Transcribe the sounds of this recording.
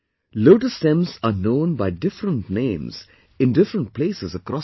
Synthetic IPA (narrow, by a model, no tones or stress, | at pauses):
loːʈəsʈɛ̃mzanõːnbaɪɖɪfɾə̃nʈnẽːmz̥ | ɪ̃nɖɪfɾə̃ɳʈ̚pleːsɪzəkɾɔ